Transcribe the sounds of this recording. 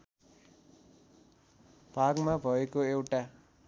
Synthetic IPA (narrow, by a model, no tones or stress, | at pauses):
b̥ʱaɡmabʱʌekoewʈa